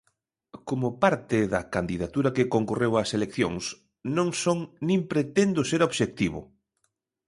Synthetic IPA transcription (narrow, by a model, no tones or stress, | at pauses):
komʊpaɾt̪ɪðɐkand̪iðat̪uɾɐkekoŋkurewaselekθjo̰ŋs | nõŋsoŋnĩmpɾet̪end̪ʊseɾoβʃek̚t̪iβʊ̰